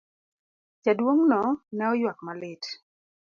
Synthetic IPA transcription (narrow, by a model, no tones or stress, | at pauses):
t͡ʃadwoŋnɔnaɔjwakmalɪt